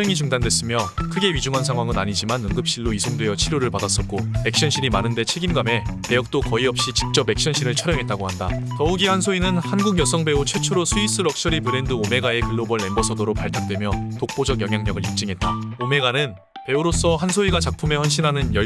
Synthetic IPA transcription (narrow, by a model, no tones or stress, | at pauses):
jʌŋit͡ɕuŋdandwe̞s͈ɯmjʌkʰɯɡe̞ɥid͡ʑuŋɦansʰaŋwaŋɯnaɲid͡ʑimanɯŋɡɯp̚ɕ͈iɭːoisʰoŋdwe̞jʌt͡ɕʰiɾjoɾɯɭpadas͈ʌk̚k͈ope̞k̚ɕ͈jʌnɕʰiɾimanɯnde̞t͡ɕʰe̞ɡimɡame̞te̞jʌk̚t͈okʌiʌp̚ɕ͈it͡ɕi̥k̚t͡ɕ͈ʌpːe̞k̚ɕ͈ʌnɕʰiɾɯɭt͡ɕʰʌɾjʌŋɦe̞t̚t͈aɡohandatʌuɡihansʰoinɯnhanɡuɡjʌsʰʌŋbe̞ut͡ɕʰwet͡ɕʰoɾosʰuis͈ʰɯɾʌk̚ɕ͈ʌɾipɯɾe̞ndɯome̞ɡae̞kɯɭːobʌɭːe̞mbʌsʰʌdoɾok̚paɭtʰak̚t͈we̞mjʌtok̚p͈od͡ʑʌɡjʌŋjaŋɲʌɡɯɾip̚t͡ɕ͈ɯŋɦe̞t̚t͈aome̞ɡanɯn | pe̞uɾos͈ʰʌɦansʰoiɡat͡ɕak̚pʰumehʌnɕ̬ʰinɦanɯnjʌ